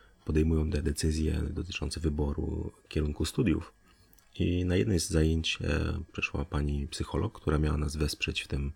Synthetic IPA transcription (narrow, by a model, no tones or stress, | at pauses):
pɔd̪ɛjmujɔ̃wt̪ɛd̪ɛt̪sɘzʲjɛ̰d̪ɔt̪ɘ̥t͡ʂɔnt̪sɛvɘbɔɾṵkʲɛɾuŋkust̪ud̪ʲjṵf | inajɛd̪nɛjzːajeɲt͡ɕpʂɛʂwa̰paɲipsɘxɔlɔkkt̪uɾamʲjawanazvɛspʂɛt͡ɕft̪ɘm